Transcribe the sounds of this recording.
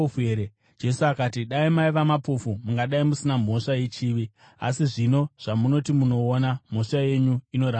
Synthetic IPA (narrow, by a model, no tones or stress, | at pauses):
eɾe | d͡ʒe̞suakatiɗaimaiʋamapofumuŋɡaɗaimusinam̤o̞ʂaje̞t͡ʃiːʋi | a̰siʐino̞ʐ̥amuno̞timuno̞ːnam̤o̞ʂaje̞ɲuino̞ɾa